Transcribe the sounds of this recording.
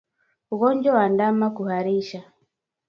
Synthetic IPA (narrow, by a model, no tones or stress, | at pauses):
uɣɔɲd͡ʒɔwandamakuhaɾiʃa